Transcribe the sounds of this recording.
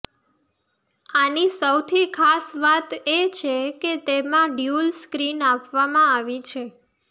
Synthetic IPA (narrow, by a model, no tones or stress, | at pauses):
anisəwt̪ʰikʰasʋat̪et͡ʃʰeket̪emãɖjulskɾinapʋamãaʋit͡ʃʰe